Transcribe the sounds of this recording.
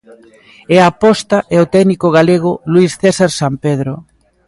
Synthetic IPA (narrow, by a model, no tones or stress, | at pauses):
ɛapɔst̪aʔɛot̪ɛɣnikʊɣaleɣ̞ʊluisθesaɾsampeð̞ɾʊ